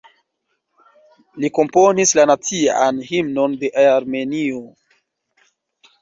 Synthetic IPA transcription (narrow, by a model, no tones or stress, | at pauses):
liko̞mpo̞nislanat͡sianhimno̞nde̞ʔaaɾme̞nio